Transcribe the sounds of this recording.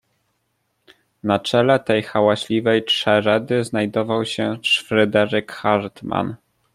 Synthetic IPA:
nat͡ʂɛlɛt̪ɛjxawaɕlʲivɛjtʂɛɾɛd̪ɘznajd̪ɔvawɕɛʂfɾɛd̪ɛɾɘkxaɾt̪ma̰n

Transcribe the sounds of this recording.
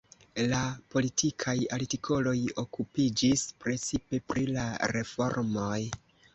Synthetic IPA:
lapo̞litʰikʰajaɾtikʰo̞lo̞jo̞kupid͡ʒispɾe̞t͡sipe̞pɾilaɾe̞fo̞̰ɾmo̞j

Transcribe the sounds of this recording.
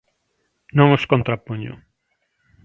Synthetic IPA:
nõŋoskont̪ɾapoɲo̰

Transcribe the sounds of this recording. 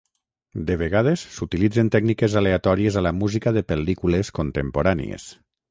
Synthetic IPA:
d̪eβ̞eɣað̞esːut̪ilid͡zent̪ɛɡnikezaleat̪ɔɾiezalamuzikaðepelikuleskont̪empoɾanḭḛs

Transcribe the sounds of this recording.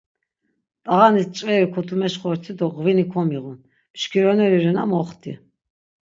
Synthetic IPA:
t̪ʼaʁanist͡ʃʼvɛɾikʰɔt̪ʰumɛʃχɔɾt̪ʰid̪ɔʁvinikʰɔmiʁun | pʃkʰiɾɔnɛɾiɾɛna̰mɔχt̪ʰḭ

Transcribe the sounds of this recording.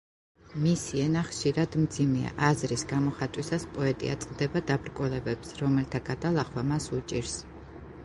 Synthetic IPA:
misiɛnaχʃiɾad̪md̪zimɛa̰ʔazɾisɡamɔχat̪ʼwisaspʼɔɛt̪ʼḭa̰t̪sʼqʼd̪ɛbad̪abɾkʼulɛbɛpsɾɔmɛlt̪ʰaɡad̪alˠaχwamasut͡ʃʼiɾs

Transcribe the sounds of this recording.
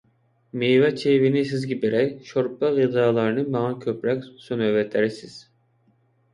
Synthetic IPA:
mejvɛt͡ʃʰevinisizɡʲibiɾɛjʃoɾp̚ɑʁid̪ɑːlˠɑɾɯnɯmɑɑnkʲʰøpɾɛksonøvɛt̪ʰɛɾisiz̥

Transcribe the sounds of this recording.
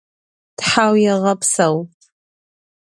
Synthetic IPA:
d̥ħawjaʁəpʰsaw

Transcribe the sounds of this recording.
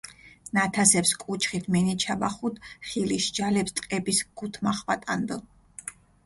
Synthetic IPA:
nat̪ʰasɛpskʼut͡ʃʰχit̪ʰmɛnit͡ʃʰabaχud̪χiliʃd͡ʒalɛpst̪ʼqʼɛbisɡ̥ut̪ʰmaχwat̪ʼand̪ə

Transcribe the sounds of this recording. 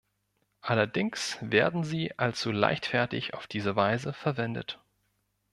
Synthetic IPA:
ʔalɐdɪŋksveːɐdn̩ziːʔalt͡sula̰ɪçtfɛɐtɪ̰ça̰ʊfd̥iːzəvaɪzəfɛɐvɛndə̰t

